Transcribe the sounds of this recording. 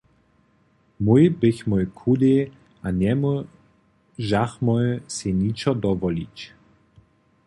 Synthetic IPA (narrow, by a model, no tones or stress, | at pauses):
mujbɘçmɔjkʰud̪e | ʔanɛmu | ʒaxmɔjsenit͡ʃɔd̪ɔvɔlit͡ɕ